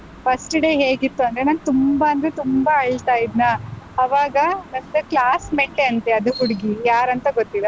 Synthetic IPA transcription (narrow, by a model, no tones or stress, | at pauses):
pʰɐsʈɖe̞ːɦeːɡit̪ːuɐnd̪ɾenaːnt̪umbaɐnd̪ɾet̪umbaɐɭt̪aːjid̪nɐɐʋaːɡɐnɐnd̪ɐklaːsmeɳʈeɐnt̪eɐd̪uɦuɽiɡijaːɾɐnt̪ɐɡot̪ːilɐ